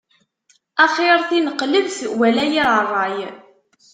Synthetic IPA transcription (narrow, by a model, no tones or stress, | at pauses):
ɑχeɾθinəqːləvθwælæjiɾərˤːɑj